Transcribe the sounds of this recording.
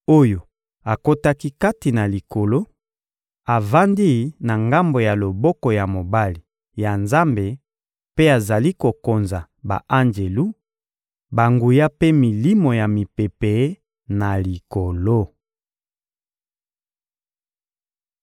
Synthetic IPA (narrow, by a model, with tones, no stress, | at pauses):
o˦jo˨ | a˨ko˦ta˦ki˦ka˦ti˨na˨li˨ko˨lo˦ | a˨va˦ndi˦na˨ŋɡa˦mbo˨ja˨lo˨bɔ˦kɔ˨ja˨mo˨ba˦li˨ | ja˨nza˦mbe˨ | pe˦a˨za˨li˦ko˨ko˨nza˨ | ba̰˨ʔa˦nd͡ʒe˨lu˦ | ba˨ŋɡu˨ja˦pe˦mi˨li˦mo˨ja˨mi˨pe˨pe˨˦ | na˨li˨ko˨lo˦